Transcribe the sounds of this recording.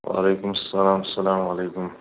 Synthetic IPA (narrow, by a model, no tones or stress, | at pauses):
wa̰leːkʊmɐsːɐlaːmɐsːɐlaːmɐleːkʊm